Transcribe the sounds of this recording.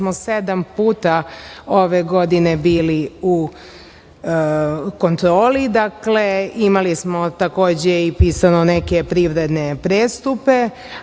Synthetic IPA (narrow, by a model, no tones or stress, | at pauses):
mosed̪ampuːt̪aoʋe̞ɡo̞d̪ine̞biːliu | ko̞nt̪ɾo̞ːlid̪akle̞imalismo̞t̪ako̞ːd͡ʑeipiːsanone̞ke̞pɾiʋɾe̞d̪nepɾeːst̪upe̞